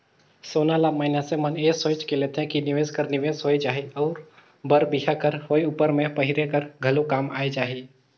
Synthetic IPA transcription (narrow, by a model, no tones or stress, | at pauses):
soːnalaːməɦɪnaseməneːsoːt͡ʃkeleːt̪eɦɛ̃kinɪʋeːzkəɾnɪʋeːzɦoːid͡ʒaːɦiɔːɾ | bəɾbiɦakəɾhoːeupəɾmẽpɐɦɪɾekəɾɡʱəlokaːma̰ːed͡ʒaːɦi